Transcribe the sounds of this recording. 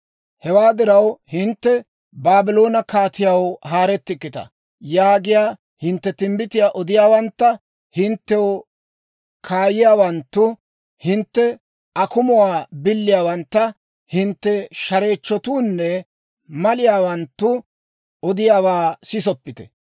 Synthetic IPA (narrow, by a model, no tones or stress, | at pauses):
hɛwaːd̪ɪɾɐwhɪnt̪ːɛ | baːbɪlo̞ːnɐkaːt̪ɪjɐwɦaːɾɛt̪ːɪkːɪt̪ɐ̰ | jaːɡɪjaː | hɪnt̪ːɛt̪ɪmbɪt̪ɪjaːʔɔd̪ɪjaːwɐnt̪ːɐ | hɪnt̪ːɛw | kʰaːjɪjaːwɐnt̪ːʊ | hɪnt̪ːɛ | ɐkʊmʊwaːbɪlːɪjaːwɐnt̪ːɐ | hɪnt̪ːɛʃɐɾe̞ːt͡ʃːɔt̪uːnːɛ | mɐlɪjaːwɐnt̪ːʊ | ɔd̪ɪjaːwaːsɪsɔpːɪt̪ɛ̥